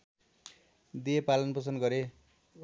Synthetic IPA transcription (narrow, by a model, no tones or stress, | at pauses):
d̪ijepalʌnpʌsʌnɡʌɾe